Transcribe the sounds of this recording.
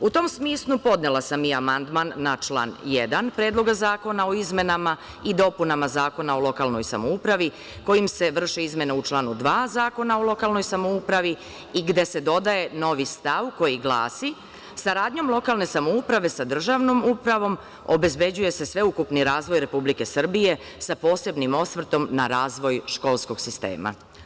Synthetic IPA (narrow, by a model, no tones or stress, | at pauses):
ut̪o̞msmiːslˠupo̞d̪nelˠasamiamand̪manːat͡ʃlˠa̰ːnjḛd̪anpɾe̞ːd̪lˠo̞ɡazaːko̞nao̞izme̞nama | id̪o̞punamazaːko̞nao̞lo̞kaːlˠno̞̰jsa̰moupɾaʋi | ko̞jimse̞ʋr̩ʃeizme̞neut͡ʃlˠaːnud̪ʋaːzaːko̞naolˠo̞kaːlˠno̞jsamo̞upɾaʋi | iɡd̪e̞se̞d̪o̞d̪aje̞no̞ʋist̪aʋko̞jiɡlˠa̰ːsi | saɾaːd̪ɲo̞mlˠo̞kaːlne̞samoupɾaʋe̞sad̪r̩ʒaʋno̞mupɾaʋo̞m | o̞̰be̞zbe̞d͡ʑuje̞se̞sʋe̞ukupniɾaːzʋo̞jɾe̞publike̞sr̩bije̞ | sapo̞ːse̞bnimo̞sʋr̩t̪o̞mnaɾaːzʋo̞jʃko̞lˠsko̞ɡ̥sist̪ḛːma̰